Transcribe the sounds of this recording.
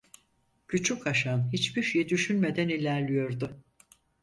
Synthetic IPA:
cʰyt͡ʃʰykʰaʃanɦit͡ʃbiʃjɛd̪yʃynme̞d̪ænilʲæɾlʲijo̞ɾd̪ʊ

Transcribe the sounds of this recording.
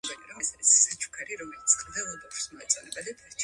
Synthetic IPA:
bɛniɾɔɛsaɾisːat͡ʃʰu̥kʰaɾiɾɔmɛlit̪sʰʼd̪ɛlˠɔbɔpɾsmɔɛt̪sʼɔ̰nɛbad̪ɛpʰɛɾt͡ʃʰ

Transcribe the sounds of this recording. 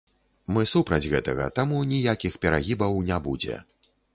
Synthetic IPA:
mɨsupɾɐd͡zʲɣɛt̪ɐɣɐ̰t̪amunʲijakʲixpʲɛɾaɣʲibɐwnʲabud͡zʲɛ̰

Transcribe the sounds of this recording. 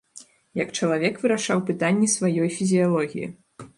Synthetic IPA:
jɐkt͡ʂɐlˠavʲɛkvɨɾaʂawpɨt̪anʲːɛsvajɔjfʲizʲijalˠɔɣʲḭjḭ

